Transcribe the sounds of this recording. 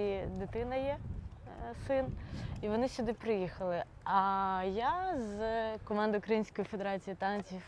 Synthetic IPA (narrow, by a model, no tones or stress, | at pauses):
id̪ɪt̪ɪnɐjɛ | sɪniʋɔnɪɕʲʊd̪ɪpɾɪjixɐlˠɪ | ɐjazkɔmɑnd̪ɐʊkɾɐjinʲsʲkɔjifed̪eɾɑt͡sʲijit̪ɑnt͡sʲiw